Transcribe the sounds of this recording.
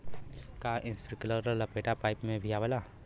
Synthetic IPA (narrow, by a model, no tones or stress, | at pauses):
kaːʔɪ̃nspɾɪkləɾɾəlɐpeʈapaːɪpmẽbʱijaʋəla